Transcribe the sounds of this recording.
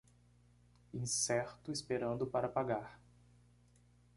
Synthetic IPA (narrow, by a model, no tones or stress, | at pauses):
ĩsɛɾt̪ʊispeɾɐ̃nd̪ʊpaɾɐpaɡaɾ